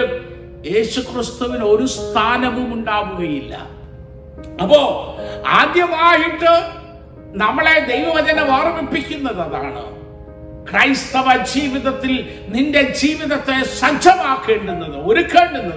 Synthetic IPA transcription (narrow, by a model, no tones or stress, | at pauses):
je̞ːɕukrist̪uʋino̞ɾust̪ʰaːnɐʋumuɳɖaːʋuɣɐjilːɐ̰ | ɐpːo̞ːaːd̪jɐʋaːɦiʈːɨ | nɐmːɐɭe̞d̪e̞jʋɐmɐd͡ʑɐnɐʋɐrmipːikʲːunːɐðɐða̰ːɳɨ̰ | krɐjst̪ɐʋɐd͡ʑiːʋiðɐt̪ːil | ninde̞d͡ʑiːʋiðɐt̪ːe̞sɐɲt͡ɕʰɐmaːkːeːɳɖunːɐðɨo̞ɾukːeːɳɖunːɐ